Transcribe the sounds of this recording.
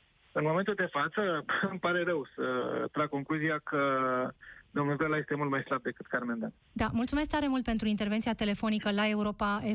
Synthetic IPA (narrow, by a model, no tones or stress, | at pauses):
ɨnmo̞me̞nt̪uld̪e̞fat̪səɨmpaɾe̞ɾəwsət̪ɾaɡ̚ko̞ŋkluziakə | d̪omnulɡelaje̞st̪emult̪̚majslab̚d̪e̞kɨt̪kaɾmend̪an | d̪amult̪sume̞s̬k̚t̪aɾe̞mult̪pe̞nt̪ɾuint̪e̞rve̞nt̪siat̪e̞le̞fo̞nikəlae̞uɾo̞pae